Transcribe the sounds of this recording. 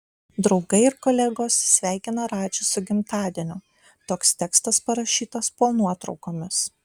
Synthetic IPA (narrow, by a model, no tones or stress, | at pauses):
d̪ɾɒʊɡɐɪɪɾkoːlʲɛɡoːssʲʋʲæˑɪkʲɪnɐɾɑːt͡ʃʲʊsʊɡʲɪmt̪ɑːd̪ʲiɛnʲʊ | t̪oːkst̪ʲɛkst̪ɐspɐɾɐʃʲiːt̪ɐspoːnuɔt̪ɾɒʊkoːmʲɪs